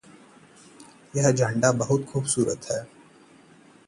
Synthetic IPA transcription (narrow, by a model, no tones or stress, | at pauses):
jɐɦd͡ʒãːɳɖabɐɦʊt̪xuːbsuːɾə̰t̪hɛː